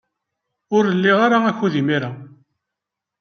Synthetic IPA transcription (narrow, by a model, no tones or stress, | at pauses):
ʊɾəlːɪʁaɾaæçuðimiɾa